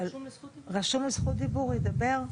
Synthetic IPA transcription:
lʁaʃumlisχut̪̚d̪ibuʁjed̪abeʁ

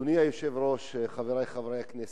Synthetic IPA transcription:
uniajoʃevɾoʃχaveɾajχavɾejaknɛs

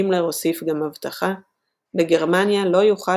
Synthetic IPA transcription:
imleʁo̞sifɡamhavt̪aχa | beɡe̞ʁmanjalo̞juχa

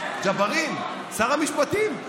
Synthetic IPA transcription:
d͡ʒabaʁim | saʁamiʃpat̪im

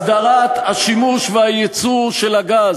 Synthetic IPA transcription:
d̪aʁat̪haʃimuʃvehajet͡suʁʃelaɡaz

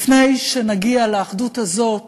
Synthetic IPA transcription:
fne̞jʃenaɡialeːχduthazo̞t

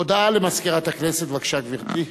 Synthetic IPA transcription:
od̪aalemaskiʁat̪akneset̪vakʃaɡviʁt̪i

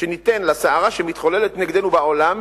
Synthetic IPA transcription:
ʃenit̪enlasaaʁaʃemit̪χo̞lelet̪neɡd̪enubao̞lam

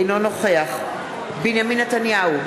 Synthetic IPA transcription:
jno̞no̞χeaχ | binjaminːet̪anjahu

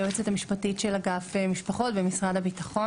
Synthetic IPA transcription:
oet͡setamiʃpatitʃelaɡafemiʃpaχo̞tbemisʁadabitaχo̞

